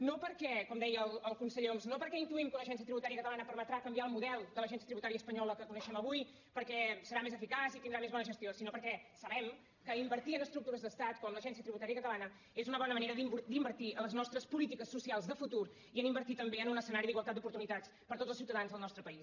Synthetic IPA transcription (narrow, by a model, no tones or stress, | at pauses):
nopəɾkɛkɔmd̪ɛjəːlˠəlˠkunsəʎomznopəɾkɛint̪uimkunəʒɛnsiət̪ɾiβut̪aɾijəkət̪əlanəpəɾmət̪ɾakəmbiaəlˠmuðɛlˠd̪ələʒɛns̬iət̪ɾiβut̪aɾiəspəɲɔləkəkunəʃɛməβuj | pəɾkɛsəɾamezəfikazit̪ind̪ɾamezβɔnəʒəst̪iosinopəɾkɛsəβɛm | kəimbəɾt̪iənəst̪ɾuk̚t̪uɾəzðəst̪at̪kɔmləʒɛns̬iət̪ɾiβut̪aɾijəkət̪əlanə | ezunəβɔnəməneɾəðimbud̪imbəɾt̪iələznɔst̪ɾəspulit̪ikəsːusialˠzðəfut̪uɾ | iənimbəɾt̪it̪əmbeənunəsənaɾiðiɣwəlˠt̪at̪d̪upuɾt̪unit̪at͡s | pəɾt̪otd͡zzəlˠsiuwt̪əðanzðəlˠnɔst̪ɾəpəis